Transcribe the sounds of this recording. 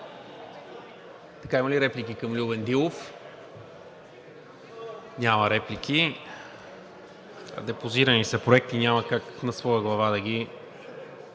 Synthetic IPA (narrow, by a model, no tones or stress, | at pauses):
t̪ɐkaimɐliɾɛplik̟ikɐmlʲubɛnd̪ilˠof | nʲamɐɾɛplikʲi | d̪ɛpoziɾɐnisɛpɾoɛk̚t̪inʲamɐkaknɐsvɔjəɡlˠɐvad̪ɐɡ̟ʲi